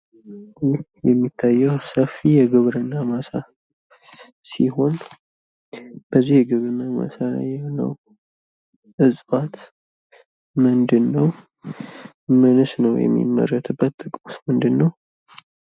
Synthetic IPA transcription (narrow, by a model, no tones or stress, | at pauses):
jɛmːit̪ʰːajːɛwsəfijɛɡɨβɾɨnːamasa | siho̞n | b̥əzːihɡɨβɾnama̰sala̰jhnə̰w | ʔɨsʼbat̪ | mɨnd̪ɨnːəw | mɨnɨsnəwjɛ̰mːḭmːə̰ɾət̪ʰbːət̪ːʼɨkʼmusmɨnd̪ɨnːəw